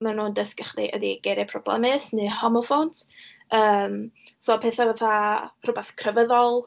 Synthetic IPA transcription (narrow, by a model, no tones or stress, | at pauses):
manuːndəskəχliʔə̰diɡ̥ɛɾɛpʰrɔblɛ̰mɪsnɨhɔmɔfowntʰ | əːm | soːpʰeθavaθar̥ʊbɛθkʰrəvəðɔlˠ